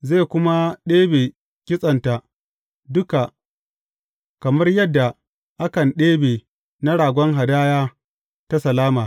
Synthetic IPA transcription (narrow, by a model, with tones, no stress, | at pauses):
zeː˦˨kʷʊ˦ma˦ɗeː˦beː˨ | kʲɪ˦sʼɐ˨nta˨ | dʊ˦ka˨ | kɐ˨mɐ˦rjɐ˦dːa˨ | ʔa˦kɐ˨nɗeː˦beː˨ | na˦ɽaː˨ɡʷɔ˦ŋɦa˨daː˦jaː˦ | ta˦sɐ˨laː˦maː˨